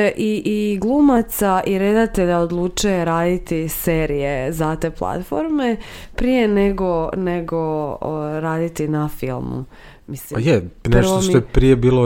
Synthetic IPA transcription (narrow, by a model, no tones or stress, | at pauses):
ʔiʔiɡlˠumat̪saʔiɾe̞d̪at̪e̞ʎaod̪lˠuːt͡ʃujeɾaːd̪it̪iseːɾije̞zat̪e̞ːplˠa̰t̪foɾme̞pɾije̞neɡo̞neɡo | ɾaːd̪it̪inafḭlˠmṵ | misliajɛnertootmiojepɾijebiːlo